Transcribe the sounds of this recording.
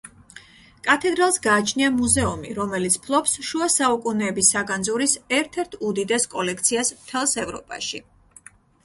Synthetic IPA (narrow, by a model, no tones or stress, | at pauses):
kʼat̪ʰɛd̪ɾalˠsɡaːt͡ʃʰniamuzɛumḭɾɔmɛlit̪sʰpʰlˠɔpsʃuasaukʼunɛːbisaɡand̪zuɾisɛɾt̪ʰɛɾt̪ʰud̪id̪ɛskʼɔlɛk̚ʰt̪sʰiasmt̪ʰɛlˠsɛvɾɔ̰pʼa̰ʃḭ